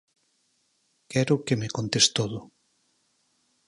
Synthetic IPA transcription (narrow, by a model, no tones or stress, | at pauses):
kɛɾʊkemekont̪est̪oðʊ